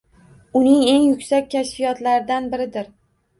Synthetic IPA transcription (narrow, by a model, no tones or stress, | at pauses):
ʊnɪŋe̞ŋjʊkʲsakʲkʲʰːaʃfijɒt̪laɾɪd̪anbɪɾɪd̪ɪɾ